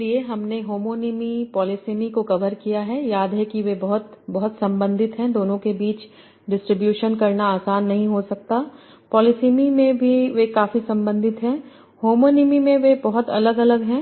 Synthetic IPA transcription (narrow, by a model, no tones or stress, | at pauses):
lieɦɐmneɦoːmoːnɪmipɔːlɪsiːmikokɐʋəɾkijaɦɛjaːd̪ɦɛkiʋebɐɦʊt̪bɐɦʊt̪sɐ̃mbə̃nd̪ʱɪt̪ɦɛ̃d̪oːnõkebiːt͡ʃ | ɖɪsʈɾɪbjuːʃənkɐɾnaaːsaːnːɐɦĩɦosɐk̚t̪a | pɔːlɪsiːmimẽbʱiʋekaːfisɐ̃mbə̃nd̪ɪt̪ɦɛ̃ | hoːmoːnimimẽʋebɐɦʊt̪ɐ̰ləɡɐləɡɦɛ̃ː